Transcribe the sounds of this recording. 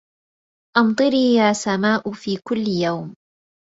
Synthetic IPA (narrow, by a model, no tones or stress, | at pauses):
ʔɑmt̪ˤɨɾiːjaːsamaːʔʊfiːkʊlːɪjawm